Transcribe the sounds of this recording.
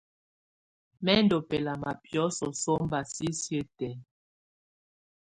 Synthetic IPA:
mɛ˦n˦do˨pɛ˨la˨ma˨pjɔ˨˦sɔ˨so˦m˦ba˨si˦sje˦tɛ˨˦

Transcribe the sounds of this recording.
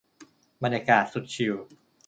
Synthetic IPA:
ba˧nja˧kaː˨˩t̪̚su˨˩t̪̚t͡ɕʰi˨˧˩w

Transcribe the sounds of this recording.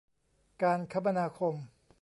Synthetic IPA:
kaː˧nkʰa˦˥p̚ːa˧naː˧kʰo˧m

